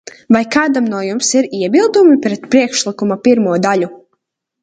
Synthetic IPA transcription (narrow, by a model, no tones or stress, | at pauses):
vajkaːd̪amnuɔjumsiɾiɛbilˠd̪umipɾɛt̪pɾiɛkʃlˠikumapiɾmuɔd̪aʎu